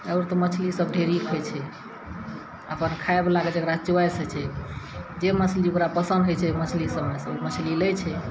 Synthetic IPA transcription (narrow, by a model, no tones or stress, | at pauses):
əwɾt̪ɔmət͡ʃʰlisəb̚ɖʱeɾikʰɦot͡ʃʰɛ | əpənkʰaeblaɡəd͡ʒekɾat͡ʃuwajset͡ʃʰɛ | d͡ʒemət͡ʃʰliukɾapəsənd̪ɦojt͡ʃʰɛmət͡ʃʰlisəbmesəbmət͡ʃʰlilət͡ʃʰɛ